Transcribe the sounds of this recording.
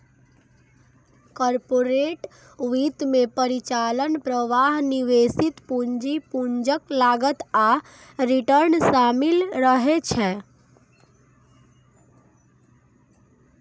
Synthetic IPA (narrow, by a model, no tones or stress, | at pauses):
kɔɾpoɾeʈ | ʋit̪mepəɾit͡ʃalənpɾəʋaɦniʋesit̪puɲd͡ʒipuɲd͡ʒəklaɡət̪a | ɾiʈəɾnsamilɾəɦet͡ʃʰɛ